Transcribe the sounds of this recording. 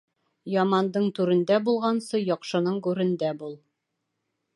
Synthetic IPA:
jɒmɑnd̪ɤɴt̪ʉɾɘ̆nd̪æbulˠʁɑnsɤjɒqʃɤ̆nɤɴɡʉɾɘ̆nd̪æbulˠ

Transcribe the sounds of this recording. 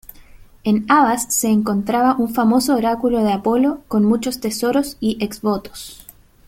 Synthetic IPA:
enaβasse̞ːŋko̞nt̪ɾaβaʔuɱfamo̞soːɾakulo̞ð̞eapo̞loko̞nmut͡ʃo̞st̪e̞so̞ɾosiʔeksβot̪o̥s

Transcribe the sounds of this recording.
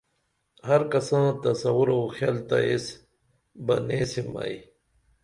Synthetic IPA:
hɐɾkɐsãːt̪ɐsɐwuɾoːxjalt̪a̰es | bɐneːsima̰j

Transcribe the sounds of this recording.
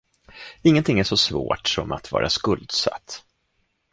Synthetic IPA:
ɪŋːənt̪ʰɪŋːæʂɔsvo̰ːʈsɔmat̪vɑ̰ːɾʔaskɵld̪sa̰t̪ː

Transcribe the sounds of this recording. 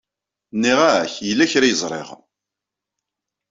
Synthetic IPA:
nːiʁaçjəlːæçɾajəzˤɾˤḛʁ

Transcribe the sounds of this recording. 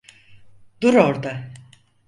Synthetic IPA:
d̪uɾoɾd̪a

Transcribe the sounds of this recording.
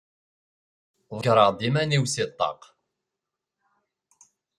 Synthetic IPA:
ðˤkɾˤɑʁd̪ˤimæniwsit̪ˤːɑ̰q

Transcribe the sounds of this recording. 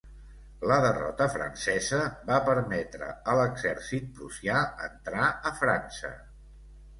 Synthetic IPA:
ləðərɔ̰t̪əfɾə̰nsɛzəbapəɾmɛt̪ɾə̰ələɡzɛɾsit̪̚pɾusiaənt̪ɾaəfɾansə̰

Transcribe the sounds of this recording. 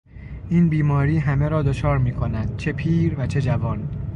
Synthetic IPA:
ʔiːnbiːmɒːɾiːɦæmeɾɒːd̪ot͡ʃʰɒːɾmiːkʰo̞næd̪̥̚t͡ʃʰe̞pʰiːɾvæt͡ʃʰe̞d͡ʒævɒːn

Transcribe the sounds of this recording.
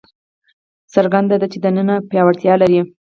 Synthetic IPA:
səɾɡand̪ad̪at͡ʃed̪ənənapjɑwaɽt̪jɑlaɾi

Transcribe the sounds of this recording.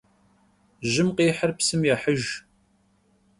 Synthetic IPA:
ʒɪmqiːħərpsɨmjaħəʒ

